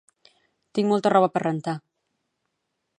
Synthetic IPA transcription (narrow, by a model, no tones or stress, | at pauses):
t̪iŋmɔlˠt̪ərɔβəpərənt̪a